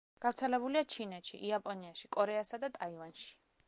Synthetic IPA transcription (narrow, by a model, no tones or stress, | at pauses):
ɡ̥avɾt̪sʰɛlɛbuliat͡ʃʰinɛt̪ʃḭʔiapʼɔniaʃikʼɔɾɛasad̪at̪ʼaivanʃi̥